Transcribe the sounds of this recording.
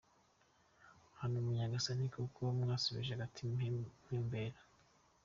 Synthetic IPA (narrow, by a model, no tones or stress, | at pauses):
hanomuɲaɡasanikʰukʰomŋaːsoβḭʒeɡatʰim̥heːmbeɾa